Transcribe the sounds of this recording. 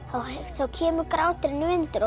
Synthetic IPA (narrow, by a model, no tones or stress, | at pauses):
θawhɛsawcʰɛːmʏɾkɾaːwt̪ɪɾnʏɪnt̪ʏɾɔ